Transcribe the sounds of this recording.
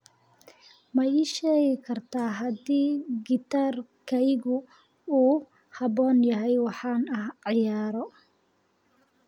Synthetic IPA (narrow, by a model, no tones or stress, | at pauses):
mɐjiːʃɛːɣɪkʰɐrt̪ʰaːɦɐd̪iːɡɪt̪ʰaːrkʰɛjɣʊ | uː | hɑbɔːnjɐɦɛjwɑħɑːnɐhʕɪjaːɾɔ